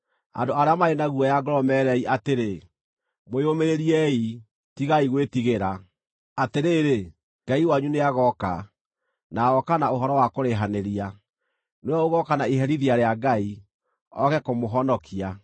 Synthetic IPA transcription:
a̰ndoaɾeamaɾenaɣuɔjaɡɔɾɔmɛɾɛiʔateɾe | mojomeɾeɾiɛi | tiɣaiɣwetiɣeɾa | ateɾeːɾe | ɡ̥aiwaɲuneaɣɔka | naɔkanaoɦɔɾɔwakoɾeɦaneɾia | neɛoɣɔkanaiɦɛɾiðiaɾeaɡai | ɔ̰ɣɛkomoɦɔnɔkʰia

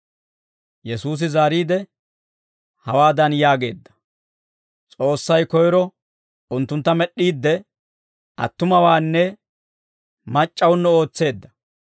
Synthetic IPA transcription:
jɛsuːs̬ɪzaːɾiːd̪ɛ | hɐwaːd̪ɐnjaːɡe̞ːd̪ːɐ̥ | t͡sʼo̞ːsːɐjkɔjɪɾɔ | ʊnt̪ːʊnt̪ːɐmɛɗːiːd̪ːɛ | ʔɐ̰t̪ːʊmɐwaːnːɛ | mɐt͡ʃʼːɐwʊnːɛo̞ːt͡sːe̞ːd̪ːɐ̥

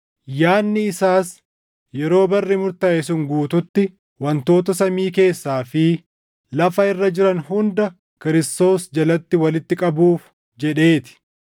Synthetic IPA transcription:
jaːnːɪːsaːs | jɛɾo̞ːbɐrːɪmʊɾt̪ɐʔɛs̬ʊŋɡuːt̪ʊt̪ːɪ | wɐnt̪o̞ːt̪ɐsɐmiːke̞ːsːaːfɪ | lɐfɐɪrːɐd͡ʒɪɾɐnhʊnd̪ɐ | kɪɾɪst̪o̞ːsd͡ʒɐlɐt̪ːɪwɐlɪt̪ːɪkʼɐbuːf | d͡ʒɛᶑe̞ːt̪ɪ̥

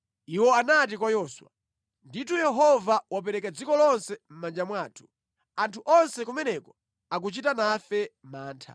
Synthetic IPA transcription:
iwɔanatik̬wajɔswa̰ | nditʰujɛɦɔvawap̬ɛɾɛkad͡zikɔlɔnsɛm̩mand͡ʒamwaːtʰu̥ | antʰuʔɔnsɛkumɛnɛkɔ | ak̬ut͡ʃitanafɛmaːntʰa̰

